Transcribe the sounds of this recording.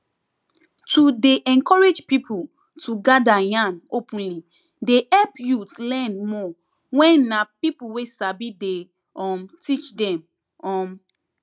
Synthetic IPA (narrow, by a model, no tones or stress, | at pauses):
tudeʔɛ̃nkɔɹed͡ʒpipʰu | tʰuɡadajãnopʰũnli | dehɛlpjutlɛ̃nmɔ | wɛ̃nːapipuwesabide | ɔ̃mtit͡ʃdɛ̃m | ɔ̃m